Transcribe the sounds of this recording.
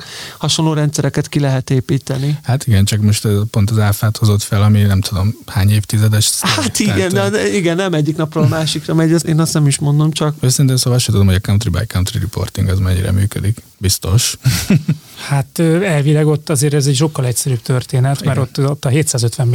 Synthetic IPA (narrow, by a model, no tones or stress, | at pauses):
hɒʃonloːɾɛnt̪sɛɾɛkɛt̪kilɛɦɛt̪eːpiːt̪ɛnihat̪iɡɛnt͡ʃɒkmo̞ʃt̪ɛzpo̞nt̪ɒzaːfaːt̪ho̞zo̞t̪fɛlɒminɛmt̪ud̪o̞mhaːɲeːft̪izɛd̪ɛʃhat̪iɡɛnd̪ɛiɡɛnːɛmɛɟːiknɒprɒlɒmaːʃikrɒmɛɟɛseːnɒst̪nɛmiʃmo̞nd̪o̞mt͡ʃɒkøːsɛɾint̪ɛnsovaʃɛt̪ud̪o̞mhoɟɒkaunt̪riba̰jkawunt̪riɾḭpo̞̰rt̪iŋɡɒzmɛɲːḭɾɛ̰myːkø̰d̪ik | bist̪o̞ʃ | hat̪øːɛlvilɛɡo̞t̪ːɒzeːɾɛzɛɟʃ̬o̞kːɒlɛcsɛɾyːbt̪ørt̪eːnɛt̪mɛɾo̞t̪ːot̪ːɒɦeːt̪saːzøt̪ʋɛm